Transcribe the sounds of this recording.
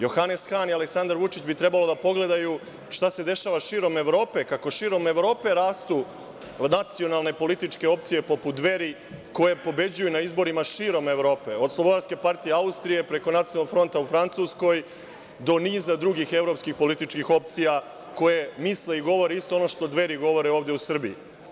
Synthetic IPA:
jo̞xane̞sxanialeksand̪aɾʋut͡ʃit͡ɕbit̪ɾe̞balo̞d̪apo̞ɡle̞d̪aju | ʃt̪ase̞d̪e̞ʃaːʋaʃiːɾo̞me̞ʋɾo̞ːpe̞kako̞ʃiːɾo̞me̞ʋɾo̞ːpe̞ɾaːst̪u | nat̪sijo̞nalˠne̞po̞lit̪it͡ʂke̞o̞pt̪sije̞po̞put̪ʋe̞ɾi | ko̞je̞po̞be̞d͡ʑujunaizbo̞ɾimaʃiːɾo̞me̞ʋɾo̞ːpe̞o̞d̪slˠobod̪aɾske̞paɾt̪ije̞aust̪ɾije̞pɾe̞ko̞nat̪iolːokfɾo̞nt̪aufɾant̪suːsko̞j | d̪o̞niːzad̪ɾuɡixe̞vɾo̞pskixpo̞lit̪it͡ʃkixo̞p̚t̪sija | ko̞je̞misle̞iɡo̞ʋo̞ɾeist̪oono̞ʃt̪o̞d̪ʋe̞ɾiɡo̞ʋo̞ɾeoːʋd̪eusr̩biḭ

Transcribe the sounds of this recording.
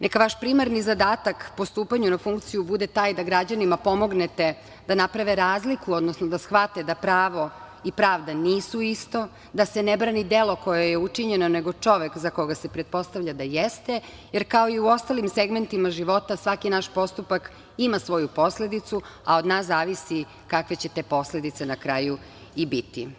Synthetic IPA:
nekaʋaʃpɾimaɾnizad̪aːt̪akpo̞st̪uːpaɲunafuŋkt̪sijubud̪et̪aːjd̪aɡɾad͡ʑanimapo̞mo̞ɡnet̪e̞ | d̪anapɾaʋeɾaːzlikuo̞d̪no̞snod̪asxʋat̪ed̪apɾaːʋo̞ | ipɾaːʋd̪aniːsuist̪o̞ | d̪asenebɾaːnid̪e̞lˠo̞ko̞jejeut͡ʂiɲeno̞neɡo̞t͡ʂo̞ʋekzako̞ɡasepɾet̪̚po̞st̪aʋʎad̪ajest̪e | jeɾkao̞iuo̞st̪alimse̞ɡme̞nt̪imaʒiʋo̞t̪asʋakinaʃpo̞st̪upak | imasʋo̞jupo̞sle̞d̪it̪sua̰od̪naːszaːʋisi | kakʋe̞t͡ɕe̞t̪e̞ːpo̞sle̞d̪it̪senakɾaju | ibit̪ḭ

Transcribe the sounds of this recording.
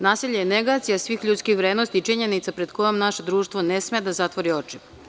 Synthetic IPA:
naːsiʎejeneɡat̪sijasʋixʎut̪skixʋɾeːd̪nost̪iːt͡ʃiɲenit̪sapɾe̞d̪ko̞jomnaʃe̞d̪ɾuːʃt̪ʋonesmed̪azat̪ʋoɾio̞t͡ʂi

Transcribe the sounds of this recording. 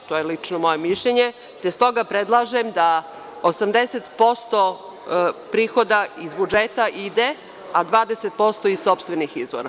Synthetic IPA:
t̪ojelit͡ʂnomo̞jemiʃʎeɲe | t̪est̪o̞ɡapɾed̪lˠaʒemd̪a | osamd̪eset̪po̞st̪o̞ | pɾiːxo̞d̪aizbud͡ʒet̪aʔid̪e | ad̪ʋaːd̪eset̪̚po̞st̪o̞izso̞pst̪ʋenixizʋo̰ɾa

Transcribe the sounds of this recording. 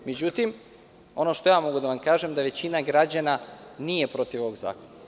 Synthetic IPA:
me̞d͡ʑut̪im | o̞no̞ʃt̪o̞jaːmo̞ɡud̪aʋamkaːʒemd̪aʋe̞t͡ɕinaɡɾad͡ʑananije̞pɾo̞t̪iʋo̞ʋoɡza̰ːkona

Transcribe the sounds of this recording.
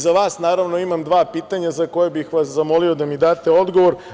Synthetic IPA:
zaʋaːsnaːɾaʋno̞imamd̪ʋaːpiːt̪aɲazako̞jebixʋas̬zamo̞lio̞d̪amid̪aːt̪eo̞d̪ɡoʋo̞ɾ

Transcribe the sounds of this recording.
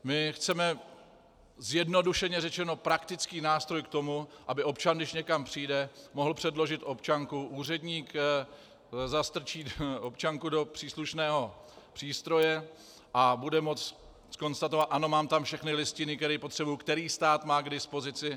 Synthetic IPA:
mɪxt͡sɛmɛ | zjɛdno̞duʃɛɲɛrɛt͡ʃɛno̞pɾakt̪ɪt͡skiːnaːst̪ɾo̞jkt̪o̞muʔabɪʔo̞p̚t͡ʃandɪʃɲɛkampr̝̥ijdɛmo̞ɦl̩pr̝̥ɛdlo̞ʒɪt̪ʔo̞pt͡ʃaŋkuʔuːr̝ɛdɲiːk | zast̪r̩t͡ʃiːopt͡ʃaŋkudo̞pr̥iːsluʃnɛːɦo̞pr̝̥iːst̪ɾo̞jɛ | ʔabudɛmo̞t͡s | sko̞nst̪at̪ovat̪ʔano̞maːmt̪amfʃɛxnɪlɪscɪnɪkt̪ɛɾiːpo̞t̪r̥ɛbujukt̪ɛɾiːst̪aːt̪maːɡdɪspo̞zɪt͡sɪ

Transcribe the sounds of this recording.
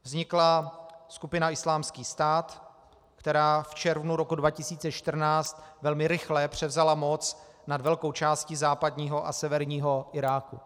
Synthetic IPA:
vzɲɪklaskupɪnaɪslaːmskiːst̪aːt̪ | kt̪ɛɾaːft͡ʃɛɾvnuɾokudvacɪsiːt͡sɛt͡ʃt̪r̩naːt͡st̪vɛlmɪɾɪxlɛpr̝̥ɛvzalamot͡s | nadvɛlko̞wt͡ʃaːscɪzaːpad̪ɲiːɦoʔa̰sɛvɛɾɲiːɦo̞ʔɪɾaːkṵ

